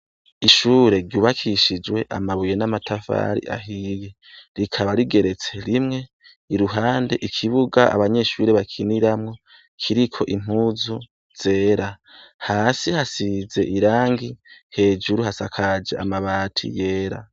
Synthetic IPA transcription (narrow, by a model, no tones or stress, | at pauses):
iʃuːɾe̞ɾɟuːβakʰiʃid͡ʒwe̞ʔa̰maβuje̞namatʰafa̰ːɾḭʔa̰ɦije̞ | ɾikʰaβaɾiɡe̞ɾe̞t͡se̞ɾimŋe̞ | iɾuɦaːnde̞ʔikʰiβuɡaa̰βaɲe̞ʃuːɾeβakʰiniɾamŋo̞ | kʰiɾikʰo̞̰ʔim̥huzu | z̥e̞ːɾa | haːsihasize̞ʔiɾaːŋɡihe̞ːd͡ʒuɾuɦasakʰad͡ʒḛa̰maβaːtʰḭje̞ːɾa̰